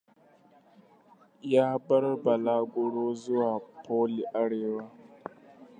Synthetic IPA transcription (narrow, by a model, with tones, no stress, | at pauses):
jaː˦bɐ˦ɾba˨laː˦ɡʊ˨ɽo˦zʊ˦waː˨pʰoː˦li˨ʔa˦ɽeː˨wa˦